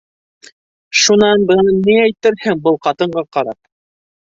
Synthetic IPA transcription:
ʃunɑnbɤ̆nɑniæjt̪ɘ̆ɾhɘŋbɤlˠqɑt̪ɤ̆ɴɢɑqɑɾɑ̰p̚

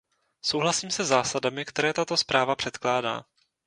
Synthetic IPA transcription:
so̞wɦlasiːmsɛzaːsadamɪkt̪ɛɾɛːt̪at̪o̞spɾʔaːvapr̥ɛt̪klaːda̰ː

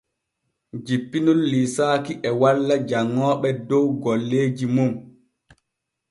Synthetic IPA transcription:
d͡ʒipːinulːisaːkiʔɛwalːad͡ʒaŋːɔːɓɛdɔwɡɔlːeːd͡ʒimum

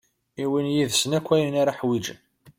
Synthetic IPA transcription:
iwinjiðsənækʷːæjənaɾaħwid͡ʒə̰n

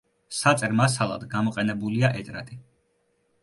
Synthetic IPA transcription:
sat̪sʼɛɾmasalˠa̰d̪ɡamɔqʼɛnɛbuliaʔɛt̪ʼɾa̰t̪ʼi

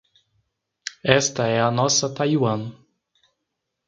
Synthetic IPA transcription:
ɛst̪ɐɛɐnɔsɐt̪ajwɐ̃n

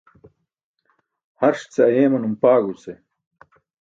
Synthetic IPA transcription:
hɐɾʂt͡seɐjeːmɐnumpaːɡut͡se

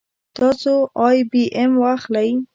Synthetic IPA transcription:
t̪ɑsoɑjbiʔemwaxlaj

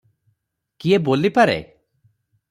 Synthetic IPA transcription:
kiebolipaɾḛ

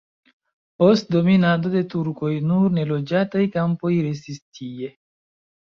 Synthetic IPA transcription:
post̚do̞minado̞de̞tuɾko̞jnuɾne̞lo̞d͡ʒatajkampo̞jɾe̞s̬tistʰie̞

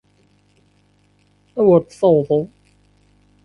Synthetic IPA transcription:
æwəɾt̪sɑwðˤəðˤ

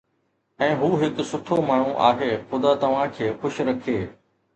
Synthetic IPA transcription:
ɛ̃ːɦuːɦɪksʊt̪ʰomaːɳ̤uʔa̰ːɦeːxʊd̪at̪ɐʋ̤ãkʰeːxʊʃɾɐkʰeː

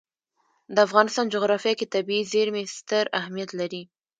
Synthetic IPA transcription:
d̪əafɣɑnɪst̪ɑnd͡ʒʊɣɾɑfjɑket̪abiizeɾmest̪əɾahmijat̪laɾi

